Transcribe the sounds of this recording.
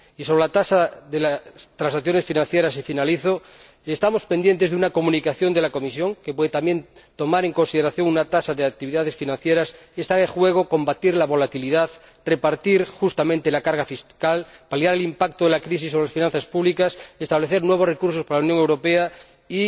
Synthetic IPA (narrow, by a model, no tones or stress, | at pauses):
isoɾelat̪asaðelast̪ɾãnsakθjo̞ne̞sfinãnθjeɾas̬ːefinaliθo | est̪amo̞spend̪jent̪ezðunako̞mũnikaθjo̞nd̪e̞lako̞misjo̞ŋkepwe̞ðet̪amje̞nt̪o̞maɾeŋko̞nsiðe̞ɾaθjo̞ŋunat̪asaðeak̚t̪iβiðaðe̞sfinãnθje̞ɾasest̪aexwe̞ɣ̞o̞ko̞mbat̪iɾlaβo̞lat̪iliðað | re̞paɾt̪iɾxust̪amẽnt̪elakaɾɣafiskalpalijaɾelimpak̚t̪oðelakɾis̬isːoβɾelasfinãnθaspuβlikasest̪aβleθeɾnwe̞βore̞kuɾsospaɾalaunjoŋewɾo̞pea | i